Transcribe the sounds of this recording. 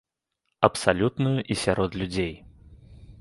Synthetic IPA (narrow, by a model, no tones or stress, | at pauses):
ɐpsalʲut̪nujuʔisʲaɾɔt̪lʲud͡zʲej